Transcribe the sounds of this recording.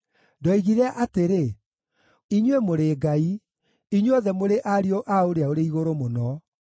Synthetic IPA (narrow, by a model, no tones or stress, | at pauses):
dɔiɣiɾɛaʔateɾe | iɲwemoɾeːɡai | iɲwɔðɛmoɾeʔaɾioʔaoɾeaoɾeiɣoɾomonɔ